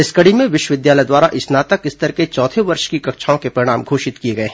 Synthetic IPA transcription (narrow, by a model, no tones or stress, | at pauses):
ɪskɐɽimẽʋɪʃwəʋɪd̪jaːləd̪waːɾaʔɪsnaːt̪əkɪst̪ɐɾket͡ʃɔːt̪ʰeʋɐɾʃkikɐkʃʰaːõkepɾɐɾɪɽ̃aːmɡʱoːʃɪt̪kieɡɐeɦɛ̃